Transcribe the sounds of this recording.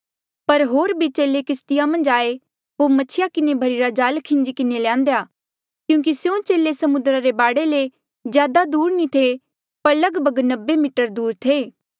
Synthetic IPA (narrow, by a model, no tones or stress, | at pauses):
pɐɾɦoːɾbʱit͡ʃeːlekɪst̪ɪjamɐ̃nd͡ʒaːe | ɦomɐt͡ʃʰɪjakɪnebʱɐɾiɾad͡ʒaːlkʰɪ̃nd͡ʒikɪnelãːnd̪eja | kjũːk̬isjõt͡ʃeːlesɐmʊnd̪ɾaɾebaːɽele | zjaːd̪ad̪uːɾnĩt̪ʰe | pɐɾlɐɡbʱəɡnɐbːemiːʈəɾd̪uːɾt̪ʰeː